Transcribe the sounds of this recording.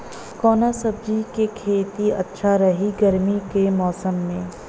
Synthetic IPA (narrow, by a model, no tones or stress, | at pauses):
kɔːnasɐb̚d͡ʒikekʰeːt̪iɐ̰tːʃʰaɾɐɦiɡɐɾmikemɔːsəmːẽː